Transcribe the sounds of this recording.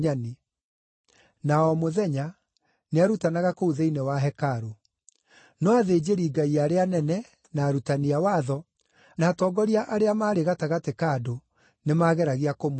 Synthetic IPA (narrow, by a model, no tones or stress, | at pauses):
ani | naɔmoðɛɲa | neaɾutanaɣakouðeinewaɦɛkaɾo | nɔaðed͡ʑeɾiːɡaiaːɾeanɛnɛ | naːɾutaniawaðɔ | naːtɔːɡɔɾiaʔaɾeamaːɾeɣataɣatekado | nemaːɣɛɾaɣeakom